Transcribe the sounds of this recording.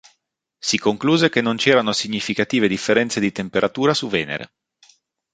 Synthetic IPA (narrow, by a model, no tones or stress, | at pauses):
sikoŋkluːzek̟enːont͡ʃɛːɾanosiɲːifikat̪iːved̪ifːeɾɛnt̪sed̪it̪empeɾʔat̪uːɾasuvɛːnḛɾḛ